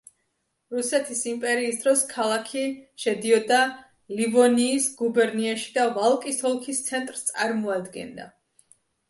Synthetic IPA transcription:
ɾusɛt̪ʰisimpʼɛɾiːsd̪ɾɔskʰalˠakʰiʃɛd̪iɔd̪a | livɔniːsɡubɛɾniaʃi̥d̪avalˠkʼisɔlˠkʰist̪sʰɛnt̪ʼɾst̪sʼaɾmɔad̪ɡɛ̰nd̪a̰

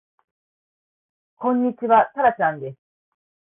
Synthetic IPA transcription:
kõ̞ɲ̟ːit͡ɕiβat̪aɾat͡ɕãnd̪e̞sɨ̥

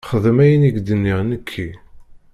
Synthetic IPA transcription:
χəðəmæjəniɡd̪ənːiʁnəkʰːi

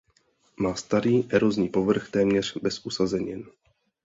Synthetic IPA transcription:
maːst̪aɾiːʔɛɾozɲiːpo̞vr̩xt̪ɛːmɲɛr̝̥bɛsʔusazɛɲɪn

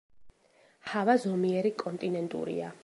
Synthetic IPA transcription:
havazɔmiɛɾikʼɔnt̪ʼinɛnt̪ʼṵɾḭa̰

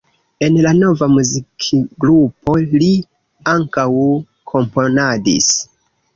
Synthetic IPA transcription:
e̞nlano̞vamuzikʰiɡɾupʰo̞li | aŋkaw | kʰo̞mpo̞nadḭs

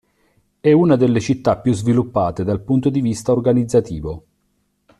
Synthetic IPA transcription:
ɛuːnad̪elːet͡ʃit̪ːapːjuzvilupːaːt̪ed̪alpunt̪od̪ivist̪aorɡanid̪zːat̪iːvo

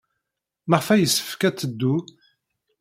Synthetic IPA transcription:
məʁfæjəsːə̥fkæt͡sːəd̪ːu

